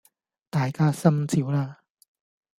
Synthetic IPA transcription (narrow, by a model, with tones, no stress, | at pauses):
t̪aː˨jkaː˥sɐ˥mt͡sʰiː˨˦˥wlaː˧